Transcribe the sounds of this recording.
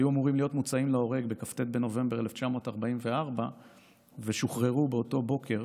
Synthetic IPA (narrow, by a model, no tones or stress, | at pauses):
juamuʁimlijo̞t̪mut͡saimleo̞ʁe̞ɡbe̞kaft̪e̞t̪̚be̞no̞ve̞mbe̞ʁeleft͡ʃamo̞ːtaʁbaimve̞aʁba | veʃuχʁe̞ʁubeoto̞bo̞kʰe̞ʁ